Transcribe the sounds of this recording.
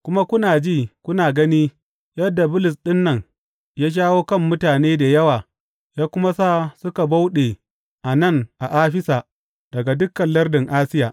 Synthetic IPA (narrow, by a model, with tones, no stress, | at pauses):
kʷʊ˦ma˦kʷʊ˦naː˨d͡ʒiː˦˨kʷʊ˦naː˨ɡɐ˦niː˦ | jɐ˦dːa˨bʊ˦lʊ˨s̬ɗɪ˦nːɐ˨ŋ | jaː˦ʃ̬aː˦woː˦kɐ˦˨mːʊ˦taː˨neː˦da˨jɐ˦waː˨ | jaː˦kʷʊ˦ma˦saː˦˨sʊ˦ka˨ba˦wɗe˨ | ʔa˨nɐ˦˨ŋʔa˨ʔaː˦ɸɪ˦sa˨ | d̥ɐ˨ɡa˨dʊ˦kːɐ˨nlɐ˦rdɪ˨ŋʔaː˦sɪ˦jaː˨ʔ